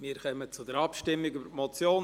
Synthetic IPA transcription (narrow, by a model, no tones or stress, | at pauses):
miːɾkœmət͡sʊdəɾɑpʃtɪmːɪɡybəɾtmɔt͡sjoːn